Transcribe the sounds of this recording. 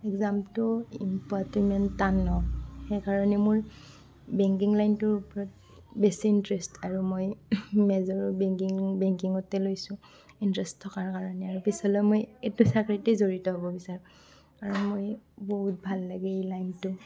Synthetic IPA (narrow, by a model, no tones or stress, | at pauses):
ɛkzamtɔimpatɔmɛnanːɔxɛjkaɹɔnɛmʊɹ | bɛŋk̬iŋlajntʊɹupɔɹɔt̚ | besiːntɹɛstʰaɹumojmɛzɔɹbɛŋkiŋbɛŋkiŋɔtɛlojsʊ̃ | intɹɛstʰːɔkaɹkaɹɔnɛaɹupisɔlɔjmojetusakɹitɛzoɹitɔɦobɔbisaɹʊ̃ | aɹumojboɦut̚bʱalːaɡɛejlajntʊ